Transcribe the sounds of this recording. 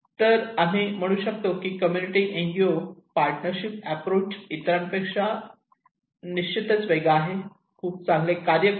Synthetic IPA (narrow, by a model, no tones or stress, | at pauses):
t̪əɾam̤iːm̤əɽ̃ũːɕək̚t̪okiːkəmjuniʈiʔeŋɡiopaɾʈnəɾɕip̚æpɾot͡ɕit̪ɾanpekʂa | niɕt͡ɕʰit̪ət͡sʋeɡaːɦe | kʰuːp̚t͡sãŋɡlekaɾjə